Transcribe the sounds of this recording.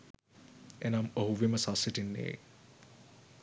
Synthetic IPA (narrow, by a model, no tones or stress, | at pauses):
enamoɦuʋiməsasiʈinːḛː